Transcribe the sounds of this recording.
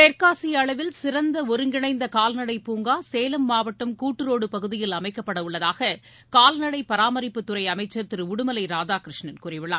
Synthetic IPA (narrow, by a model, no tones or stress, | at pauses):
t̪eːɾkaːsɪjɐɐɭɐʋɪlsɪɾɐnd̪ɐɔɾɯŋɡɪɳɐɪnd̪ɐkaːlnɐɽɐɪpuːŋɡaːseːlɐmːaːʋɐʈːɐmkuːʈːɯɾoːɽɯpɐɣɯðɪjɪlɐmɐɪkːɐpːɐɽɐʊɭːɐðaːɣɐ | kaːlnɐɽɐɪpːɐɾaːmɐɾɪpːɯt̪ːʊɾɐɪɐmɐɪt͡ʃːɐɾt̪ɪɾʊɽɯmɐlɐɪɾaːðaːkɪɾɪʂɳɐnkuːrɪʋɪɭːaː